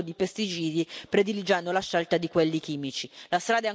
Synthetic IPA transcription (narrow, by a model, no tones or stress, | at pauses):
od̪ipest̪it͡ʃiːd̪ipɾed̪ilid͡ʒand̪olaʃːɛlt̪ad̪ikwelːik̟iːmit͡ʃilast̪ɾaːd̪aɛ